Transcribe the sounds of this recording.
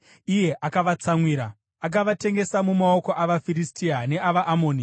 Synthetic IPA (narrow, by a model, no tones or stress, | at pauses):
ije̞ʔakaʋat͡samwiːɾa | ak̬aʋate̞ŋɡe̞samumao̞ko̞ʔaʋafiɾistiane̞aʋaʔamoːni